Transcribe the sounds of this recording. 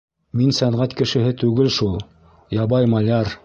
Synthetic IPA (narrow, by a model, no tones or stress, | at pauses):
minsæɴʁæt̪kɘ̆ʃɘ̆ɦɘt̪ʉɡɘlʃulˠ | jɑbɑjmɑlʲɑɾ